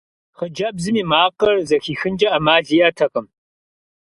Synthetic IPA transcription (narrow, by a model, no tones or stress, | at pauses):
χəd͡ʒɐbzɨmiːmaːqʼɐrzɐxiːxɨnd͡ʒɐɐmaːɮijɐtʰɐqʼəm